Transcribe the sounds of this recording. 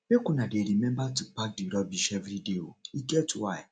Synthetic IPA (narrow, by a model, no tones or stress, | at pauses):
ekʊnadeɾimembatupak̚diɾɔbiʃevɾidewo̰iketʰuaj